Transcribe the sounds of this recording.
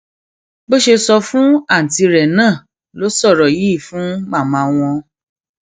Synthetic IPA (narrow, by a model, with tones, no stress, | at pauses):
bo˦ʃe˧sɔ˧fũ˦a˦˨n̩˨ti˧ɾɛ˨nãː˦˨ | lo˨˦sɔ˦˨ɾɔ˨ji˨˦˨fũ˨˦ɡ͡ba˦˨mã˧w̃ɔ̃˧